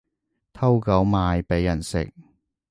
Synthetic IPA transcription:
t̪ʰɐ˥wkɐ˨˥wmaː˨˧jpe˨˥jɐ˨˩nsɪ̰˨k̚

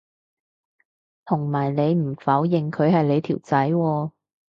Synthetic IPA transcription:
t̪ʰʊ˨˩ŋmaː˨˩jle˨˧jm̩˨˩fɐː˨˥wjɪ˨ŋkʰɵ˨˧ɥhɐ˨jle˨˧jt̪ʰiː˨˩wt͡sɐ˨˥jwɔː˧

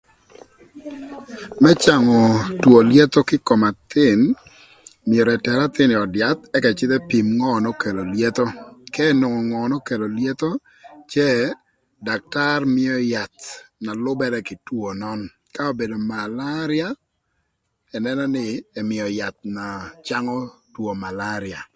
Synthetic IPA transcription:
mɛ˦t͡ʃa˨ŋɔ˨two˨lje˦t̪o˦kɪ˦kɔ˨ma˨t̪ɪ˦˨n | mɪɛ˨ɾɛ˨tɛ˨ɾa˦t̪ɪ˦nɪ˨ɔ˨dja˨t̪ɛ˦kɛ˨t͡ʃɪ˦t̪ɛ˦pi˨mŋɔ˦nɔ˦ke˨lo˨lje˦t̪o˦kɛ˦no˨ŋɔ˨ŋɔ˨nɔ˦ke˨lo˨lje˦t̪o˦ | t͡ʃɛ˦ | da˨k̚ta˦rmɪ˦ɔ˦ja˨t̪na˨lʊ˦bɛ˦ɾɛ˦kɪ˨two˨nɔ˦n | ka˦o˦be˨do˨ma˨la˦ɾɪa˦ | ɛ˨nɛ˦nɔ˦nɪ˦ɛ˨mɪ˨ɔ˨ja˨t̪̚na˨t͡ʃa˦ŋɔ˦two˨ma˨la˦ɾɪ˨a˨

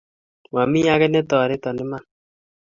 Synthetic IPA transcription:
wa˨mi˦a˦kɛ˦nɛ˦tɔ˨ɾɪ˦tɔ˨nɪ˦ma˦˨n

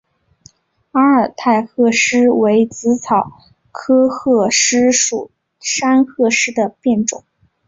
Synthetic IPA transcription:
a˥ə˞˨˩t̪ʰa˥˧ɪxɤ˥˩ʂɻ̩˥we˧˥ɪt͡sɹ̩˧˥t͡sʰɑ˨˩ʊ | kʰɤ˥xɤ˥˩ʂɻ̩˥ʂu˨˩ | ʂa˥nxɤ˥˧ʂɻ̩˥d̪ə˨pjɛ˥˩nʈ͡ʂʊ˨˩˦ŋ

